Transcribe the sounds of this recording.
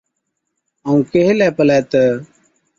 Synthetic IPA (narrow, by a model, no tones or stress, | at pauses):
aũːkeɦelɛːpəlɛːt̪əː